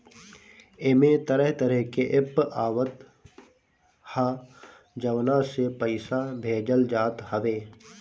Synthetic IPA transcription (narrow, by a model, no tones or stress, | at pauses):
emẽt̪əɾəɦt̪əɾəɦkeʔɪpaːʋət̪ | hã | d͡ʒəʋnasepəɪsabʱeːd͡ʒəld͡ʒaːt̪həʋeː